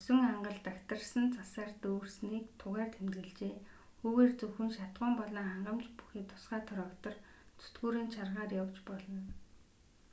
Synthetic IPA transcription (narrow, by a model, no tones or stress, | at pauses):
sɵ̆ŋaɴɢə̆ɮt̪akt̪ə̆rsə̆nt͡sasaːrt̪oːrsniːkt̪ʰʊʁæːrt̪ʰemt̪ɣɘ̆ɮt͡ɕeː | xuːɣeːrt͡sɵxɘ̆nʃat̪ɢʊːmpɔɮiːŋχaɴɢə̆mt͡ɕpu̥xiːt̪ʰʊ̥sχaːt̪ʰɔɾɔːkt̪ɞ̆rt͡sʰɵ̥t̪ɡuːɾiːnt͡ɕʰarʁaːrjawt͡ɕpɔɮɞ̆n